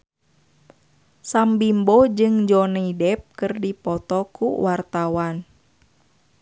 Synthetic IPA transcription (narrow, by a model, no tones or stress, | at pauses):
sambimbɔd͡ʒɨŋd͡ʒɔnaidɛp̚kɨrdipɔt̪ɔkṵwart̪awan